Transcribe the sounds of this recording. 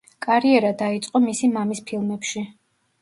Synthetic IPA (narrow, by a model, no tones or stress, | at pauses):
kʼaɾiɛɾad̪ait̪sʼqʼɔmisimamispʰilˠmɛpʃi